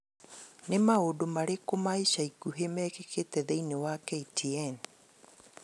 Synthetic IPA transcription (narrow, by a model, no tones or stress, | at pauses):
nemaodomaɾekomaiʃaikuɦemɛkekʰetɛðeinewakɛitʰiɛn